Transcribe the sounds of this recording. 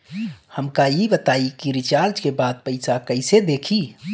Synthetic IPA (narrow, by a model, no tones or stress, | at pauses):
həmkajibət̪aikiɾit͡ʃaɾd͡ʒkebad̪̚pəɪsakəɪsed̪ekʰi